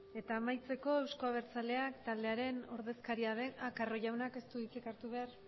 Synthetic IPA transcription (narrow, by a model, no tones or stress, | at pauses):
e̞t̪aːmajt͡se̞ko̞e̞wsko̞aβ̞e̞ɾt͡sale̞akt̪ald̪eaɾe̞no̞ɾðe̞skaɾiaðe̞nakaro̞ʝawnake̞st̪uit͡sekaɾt̪uβ̞e̞ar